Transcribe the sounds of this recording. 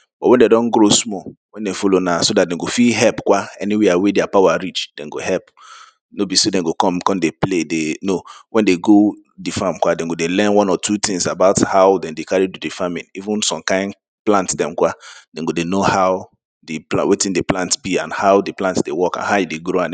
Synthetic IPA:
b̥ɔtwɛ̃ndedɔ̃nɡɾosmɔwɛ̃ndɛfolonasodat̚dɛ̃nɡofiɦɛlpkwaɛniweawedeapawaɹit͡ʃd̥ɛ̃nɡohɛlp | nobisodɛ̃ɡokɔ̃mkɔ̃ndepledenowɛ̃ndeɡo | difãmkwadɛ̃ɡodelɛ̃nwɔ̃nɔtʰutĩŋsabaʊthaʊdɛ̃ndekaɹitudifamĩnivũnsɔ̃mkãɪ̃n | plãntdɛ̃mkwad̥ɛ̃nɡodenohaʊ | dipwetĩndeplãntbiãnhaʊdiplãntsdewɔkã̰nɦaʊideɡɾoãn

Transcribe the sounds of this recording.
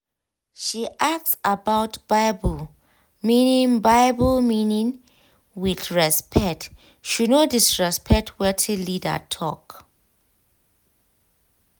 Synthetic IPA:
ʃiʔak̚tsabawtb̥ajbəl | mĩnĩŋbajbəlmĩnĩŋ | wiθɹɛspʰɛk̚t | ʃunodisɹɛspʰɛk̚tʰwɛtʰilidə̰tʰɔk

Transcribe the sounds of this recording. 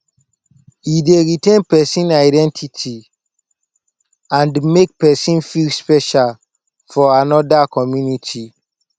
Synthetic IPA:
jideɹitẽnpɛsĩnaɪdɛ̃ntʰitʰi | ãndmek̚pɛsĩnfilspɛʃal | fɔanɔdakɔmjunitʰi

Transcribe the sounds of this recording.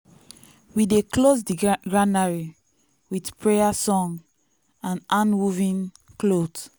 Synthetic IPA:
wideklozdiɡɹanaɹi | widpɹejasɔ̃ŋ | ãnʔãnmuvĩn | klod

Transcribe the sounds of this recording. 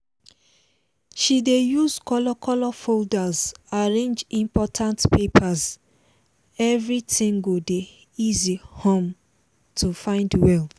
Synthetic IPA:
ʃidejuzkɔlɔkɔlɔfoldazaɹẽnd͡ʒĩmpɔtʰãntpepʰaz | ɛvɹitĩŋɡode | izihɔ̃m | tʰufãɪ̃ndwɛl

